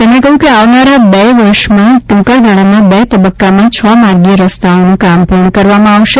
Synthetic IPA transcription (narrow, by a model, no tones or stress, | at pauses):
t̪əmnekəɦũkeaʋnaɾabeʋəɾʃmãʈũkaɭɡʱaɭamãbet̪əbəkːamãt͡ʃʰəmaɾɡiəɾəst̪aonũkampuɾɳəkəɾʋamãaʋʃe